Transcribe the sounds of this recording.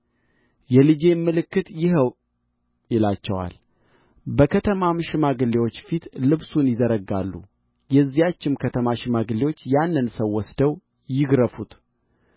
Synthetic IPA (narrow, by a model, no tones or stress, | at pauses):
jɛlɨd͡ʒe̞mːɨlɨkːɨt̪jɪɦəw | jɪlat͡ʃːɛwa̰l | bəkʰət̪ʰəmamʃɪmaɡɨlːewo̞t͡ʃːfit̪lɨβsunjɪzəɾəɡa̰lːṵ | jɛzːijat͡ʃːɪmkʰət̪ʰəmaʃɪmaɡɨlːewo̞t͡ʃːjanːɨnsəwːɔsd̪əw | jɪɡɾəfut̪